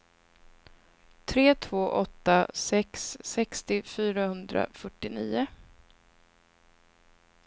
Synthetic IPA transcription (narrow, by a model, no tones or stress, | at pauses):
t̪ʰɾeːt̪ʰvoːʔɔt̪ːasɛksːɛkst̪ɪfyːɾahɵnd̪ɾa̰fœʈːɪniːʊ